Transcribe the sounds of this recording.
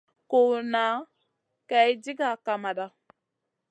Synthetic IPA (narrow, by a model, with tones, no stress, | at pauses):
ko˨na˨˦ | ka˨i˦d͡ʒi˦ɡa˨ka˨ma˨da˦